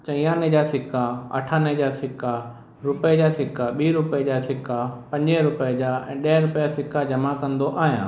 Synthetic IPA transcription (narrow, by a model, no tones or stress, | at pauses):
t͡ɕɐ̃ijãːned͡ʑaːsɪkʰaɐ̰ʈʰaːned͡ʑaːsɪka | ɾʊped͡ʑaːsɪkaɓiːɾʊped͡ʑaːsɪkʰapɐ̃ɲd͡ʑeɾʊped͡ʑaːɛ̃ːɗɐɦɾʊpɪjasɪkad͡ʑɐmakɐ̃nd̪oʔaːɦijãː